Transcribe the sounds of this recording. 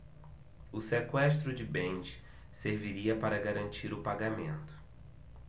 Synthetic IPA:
ʊsekwɛst̪ɾʊd͡ʒɪbẽnd͡ʒɪ | seɾviɾiɐpaɾɐɡaɾɐ̃nt͡ʃiɾʊpaɡamẽnt̪ʊ̥

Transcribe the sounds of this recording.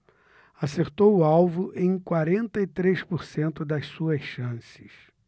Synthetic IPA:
aseɾt̪owʊawvʊʔẽj̃kwaɾẽnt̪ɐit̪ɾespoɾsẽnt̪ʊd̪ɐssuɐsʃɐ̃sɪ̥s

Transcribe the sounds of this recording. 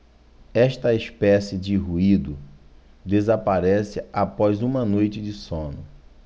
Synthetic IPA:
ɛʃt̪ɐespɛsɪd͡ʒɪɦuid̪ʊ | d̪ezapaɾɛsɪapɔzũmɐnojt͡ʃɪd͡ʒɪsõnʊ

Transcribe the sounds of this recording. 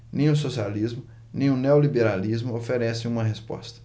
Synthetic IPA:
nẽj̃ʊsosializmʊ | nẽj̃ʊneolibeɾalizmʊofeɾɛsẽj̃ũmɐɦespɔ̰st̪ɐ̥

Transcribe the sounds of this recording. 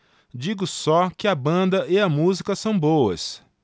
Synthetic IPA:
d͡ʒiɡʊsɔkɪɐbɐ̃nd̪ɐʔɪɐmuzikɐsɐ̃w̃bowɐ̰s

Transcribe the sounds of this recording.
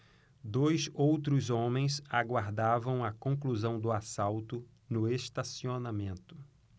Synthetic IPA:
d̪ojsowt̪ɾʊzõmẽj̃saɡwaɾd̪avɐ̃w̃ɐkõk̬luzɐ̃w̃d̪ʊasawt̪ʊ | nʊest̪asionamẽnt̪ʊ̥

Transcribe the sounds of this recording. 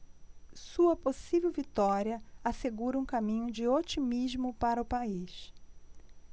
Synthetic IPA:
suɐposivewvit̪ɔɾiɐaseɡuɾɐũkamĩɲʊd͡ʒɪot͡ʃimizmʊpaɾɐʊpaiʃ

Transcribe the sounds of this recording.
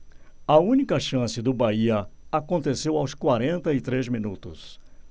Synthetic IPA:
ɐũnikɐʃɐ̃sɪd̪ʊbaiɐakõnt̪esewawskwaɾẽnt̪ɐɪt̪ɾezmĩnut̪ʊs

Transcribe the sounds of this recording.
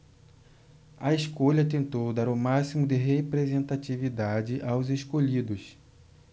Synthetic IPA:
ɐeskoʎɐt̪ẽnt̪owd̪aɾʊmasimʊd̪ɪɦepɾezẽnt̪at͡ʃivid̪ad͡ʒɪʔawzeʃkoʎid̪ʊs

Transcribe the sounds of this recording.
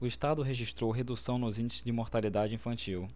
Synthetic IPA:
ʊiʃt̪ad̪ʊɦeʒiʃt̪ɾowɦed̪usɐ̃w̃nʊzĩnd͡ʒɪsɪ̥zd͡ʒɪmoɾt̪alid̪ad͡ʒɪĩfɐ̃nt͡ʃiw

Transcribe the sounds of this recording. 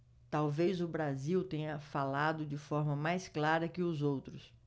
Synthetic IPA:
t̪awvejzʊbɾaziwt̪ẽɲɐfalad̪ʊd͡ʒɪfɔɾmɐmajsklaɾɐkɪʊzowt̪ɾʊs

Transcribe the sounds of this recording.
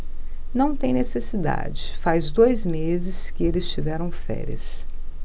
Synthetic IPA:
nɐ̃w̃t̪ẽj̃nesesid̪a̰d͡ʒɪfajzd̪ojzmezɪskɪelɪst͡ʃivɛɾɐ̃w̃fɛ̰ɾiɐ̰s

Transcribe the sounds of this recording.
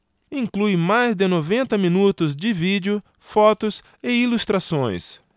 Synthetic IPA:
ĩŋklujmajzd̪ɪnovẽnt̪ɐmĩnut̪ʊzd͡ʒɪvid͡ʒɪʊ | fɔt̪ʊs | ɪilust̪ɾasõj̃s

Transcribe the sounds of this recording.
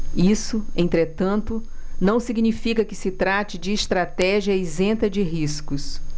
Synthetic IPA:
isʊẽnt̪ɾet̪ɐ̃nt̪ʊnɐ̃w̃siɡnifikɐkɪsɪt̪ɾat͡ʃɪd͡ʒɪːst̪ɾat̪ɛʒiɐizẽt̪ɐd͡ʒɪɦiskʊs

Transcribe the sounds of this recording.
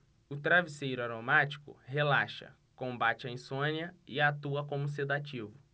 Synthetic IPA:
ʊt̪ɾavisejɾʊaɾomat͡ʃi̥kʊ̰helaʃɐ̰ | kõbat͡ʃɪɐĩsõniɐɪat̪uɐkõmʊs̬ed̪at͡ʃivʊ

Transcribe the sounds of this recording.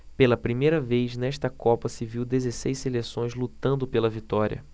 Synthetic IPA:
pelɐpɾimejɾɐvejznɛʃt̪ɐkɔpɐsɪviwd̪ezesejselesõj̃zlut̪ɐ̃nd̪ʊpelɐvit̪ɔɾʲiɐ̰

